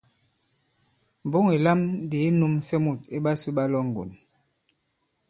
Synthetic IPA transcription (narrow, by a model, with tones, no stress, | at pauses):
m˨bo˦ŋe˨la˦m˦de˨˦nu˦msɛ˦mu˦˨t̚e˦ɓa˦su˦ɓa˦lɔ˦ŋ̩˨ɡo̰˨n